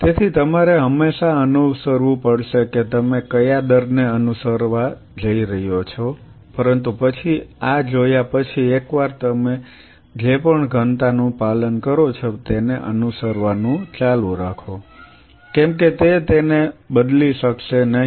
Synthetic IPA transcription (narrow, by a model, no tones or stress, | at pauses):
t̪et̪ʰit̪əmaɾeɦəmːeʃaənusəɾʋũpəɽʃeket̪əmekəjad̪əɾneənusəɾʋa | d͡ʒəiɾəɦjot͡ʃʰo | pəɾənt̪upət͡ʃʰiad͡ʒojapət͡ʃʰiekʋaɾt̪əme | d͡ʒepəɳɡʱənt̪anũpalənkəɾot͡ʃʰot̪eneʔə̰nusəɾʋanũt͡ʃalũɾakʰo | kɛ̃mk̬et̪et̪enebəd̪liʃəkʃenəɦi